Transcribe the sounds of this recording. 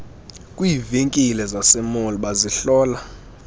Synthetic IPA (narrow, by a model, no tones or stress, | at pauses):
kʼwiːveŋkʼilɛzasɛmoliɓaziɬɔːla